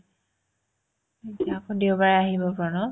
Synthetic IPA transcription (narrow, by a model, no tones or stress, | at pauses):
etiaːkɔdewbaɹɛaɦibɔpɹɔnɔ